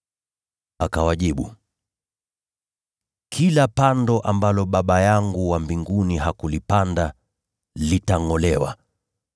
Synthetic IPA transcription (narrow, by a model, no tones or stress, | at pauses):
akawaʄiɓṵ | kʰilapandɔʔambalɔɓaɓajaŋɡuwambiŋɡuniɦakulipanda | litaŋɔlɛwa̰